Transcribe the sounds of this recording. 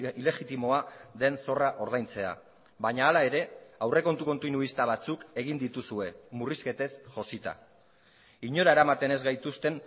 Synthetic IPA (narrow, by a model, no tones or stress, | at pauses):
ile̞ɣit̪imo̞aðe̞nso̞raʔo̞ɾð̞ajnt͡se̞a̰ | βaɲaːlae̞ɾe̞awre̞ko̞nt̪uko̞nt̪inuist̪aβ̞at͡suke̞ɣ̞ind̪it̪usue̞muriske̞t̪e̞sʝo̞sit̪a̰ | iɲo̞ɾae̞ɾamat̪e̞ne̞zɣajt̪ust̪e̞n